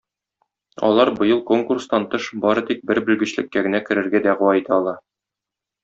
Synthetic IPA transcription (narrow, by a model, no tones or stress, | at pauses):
ɒ̰lˠɑɾbɤ̆jɤlˠko̞ŋkurst̪ɑnt̪ɤʃbɒɾɤ̆t̪ik̚bɘɾbɘ̆lɡɘ̆ɕlɘ̆kːæɡɘ̆nækɘ̆ɾɘ̆ɾɡæd̪æʁɤwɑit̪ʰɑɒlˠɑ